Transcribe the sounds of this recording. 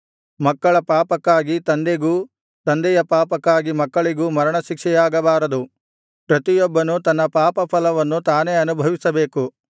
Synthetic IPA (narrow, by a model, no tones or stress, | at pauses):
mɐkːɐɭɐpaːpɐkːaːɡit̪ɐnd̪eɡuː | t̪ɐnd̪ɛjɐpaːpɐkːaːɡimɐkːɐɭiɡuːmɐɾɐɳɐʃikʂɛjaːɡɐbaːɾɐd̪u | pɾɐt̪ijɔbːɐnut̪ɐnːɐpaːpɐpʰɐlɐʋɐnːut̪aːne̞ːɐnubʱɐʋisɐbeːku